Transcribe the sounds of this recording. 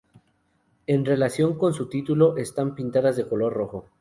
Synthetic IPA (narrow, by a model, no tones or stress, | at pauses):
e̞nre̞lasjo̞ŋko̞nsut̪it̪ulo̞ʔe̞st̪ampint̪aðazðeko̞lo̞ɾro̞xo̞